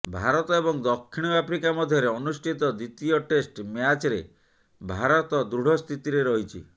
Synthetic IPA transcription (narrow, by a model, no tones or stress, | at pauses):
bʱaɾɔt̪ɔebɔŋd̪ɔkʰːiɽ̃ɔapʰɾikamɔd̪ʱjɔɾeɔnusʈʰit̪ɔd̪it̪iɔʈesʈmjat͡ʃɾe | bʱaɾɔt̪ɔd̪ɾuɽ̤ʱɔst̪ʰit̪iɾeɾɔɦit͡ʃʰḭ